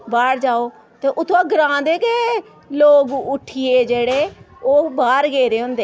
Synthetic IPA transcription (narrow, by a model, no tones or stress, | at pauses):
baːɽd͡ʒaːoː | t̪eːʔʊt̪ʰːoaːɡɾãːd̪eːke | loːɡʊʈʰːiːeːd͡ʒeːɽeː | oːbaːɾɡeːɾeːɦʊ̃nd̪eː